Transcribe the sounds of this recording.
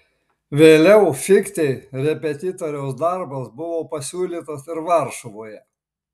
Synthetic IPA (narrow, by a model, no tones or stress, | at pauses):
ʋʲeːlʲɛʊfʲɪkt̪ʲɛɪɾʲɛpʲɛt̪ʲɪt̪ɔɾʲɛʊsd̪ɐɾbɐsbʊʋoːpɐsʲuːlʲiːt̪ɐsɪɾʋɐˑɾʃʊʋoːjɛ